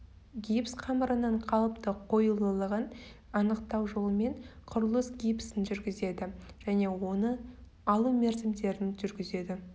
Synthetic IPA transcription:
ɡʲijpsqʰɑməɾənəɴqʰɑlˠəpt̪əqʰo̞jəlˠəlˠəʁən | ɑnəqt̪ɑwʒo̞lˠəme̞ɴqʰʊɾəlˠəsɡʲijpsɪnʒʏɾɡʲɪze̞d̪ɪʒ̥æne̞wo̞nə | ɑlˠumeɾzɪmd̪e̞ɾɪnʒʏɾɡʲɪze̞d̪ɪ

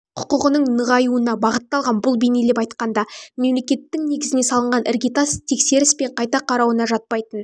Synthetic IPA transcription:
qʰʊ̥qəʁənəɴnəʁɑjuənɑbɑʁət̪ːɑlˠʁɑnbʊlˠbene̞lepɑjt̪qɑnd̪ɑme̞mle̞kʲe̞t̪ːɪŋne̞ɡʲɪzɪne̞sɑlˠəɴʁɑnʔeɾɡʲit̪ast̪ʰe̞kse̞ɾɪspe̞ɴqʰɑjt̪ɑqʰɑɾɑwənɑʒɑt̪̚pɑjt̪ən

